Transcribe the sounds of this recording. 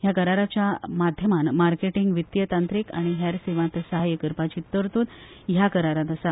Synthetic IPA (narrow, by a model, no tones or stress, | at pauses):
ɦjakəɾaɾat͡ɕjamad̪ʱjəmanmaɾkeʈiŋɡʋit̪jət̪ant̪ɾika̰ɽ̃iɦɛɾseʋãnt̪səɦajəkəɾpat͡ɕit̪ːəɾt̪uːt̪ | ɦjakəɾaɾãt̪əsa